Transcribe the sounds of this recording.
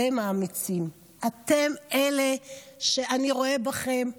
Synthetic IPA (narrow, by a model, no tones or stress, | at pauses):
emaːmit͡sim | at̪emeleʃeaniʁo̞ebaχe̞m